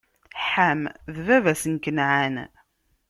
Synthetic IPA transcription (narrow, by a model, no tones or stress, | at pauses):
ħamðvævæsənkənʕan